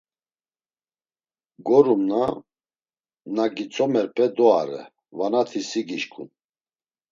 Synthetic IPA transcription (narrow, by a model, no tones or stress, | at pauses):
ɡɔɾumna | naɡit͡sʼɔmɛɾpʰʼɛd̪ɔa̰ɾɛ̰ | vanat̪ʰisiɡiʃkʰʼṵn